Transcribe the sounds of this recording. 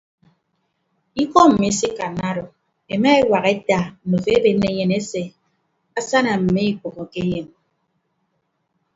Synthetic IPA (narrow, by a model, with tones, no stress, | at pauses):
i˦kɔ˦m̩˨me˦si˦ka˨na˦ɾo˨ | e˨ma˦e˦wa˨ɣe˦ta˨m̩˨o˨fe˦be˨nːe˦ɲe˨ne˦se˨ | a˦sa˦na˨m̩˨me˦i˨k͡po˨ɣo˨ke˦je˨n